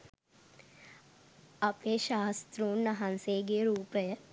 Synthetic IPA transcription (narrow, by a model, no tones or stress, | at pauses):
ɐpleːʃaːst̪ɾuːnːɐɦanseːɡeːɾuːpəjə